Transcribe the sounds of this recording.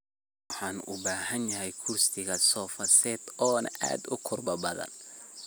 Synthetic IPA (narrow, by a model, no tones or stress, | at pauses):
wɑħɑːnʊ̰baːhɐnjɐɦɛjkʰuːst̪ʰɪɣɐsɔːfɐsɛːd̪ɔːnɐ̰ʔa̰ːd̪ʊkʰʊrbɐbɐðɐ̰n